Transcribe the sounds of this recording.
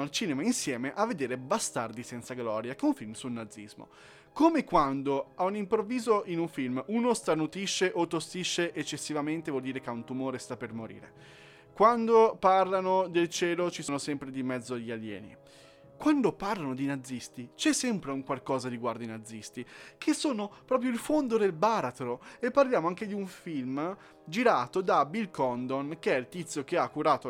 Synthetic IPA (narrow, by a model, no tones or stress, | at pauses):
alt͡ʃiːnemainsjɛːmeʔavːed̪eːɾebast̪ard̪isɛnt̪saɡlɔːɾjakeuɱfilmsulnad̪zːizmo̰ | komekwand̪oaunimpɾovːiːzoʔinuɱfilmuːnost̪ɾanut̪ɾiʃːeʔot̪ːost̪iʃːeʔet͡ʃːesːivament̪evwɔld̪iːɾekeunt̪umoːɾest̪apermoɾḭːɾḛ | kwand̪oparlanod̪elt͡ʃɛːlot͡ʃisoːnosɛmpɾed̪imɛd̪zːoaʎːialjɛ̰ːnḭ | kwand̪oparlanod̪inad̪zːist̪it͡ʃɛsːɛmpɾeuŋkwalkɔːzad̪iɡward̪oinad̪zːist̪ikʰesːoːnopɾɔːpɾjoilfond̪od̪elbaɾat̪ɾoepːarljaːmoaŋked̪iuɱfilm | d͡ʒiɾaːt̪od̪abilkɔnd̪onkeɛilt̪it̪sok̟eakːuɾaːt̪o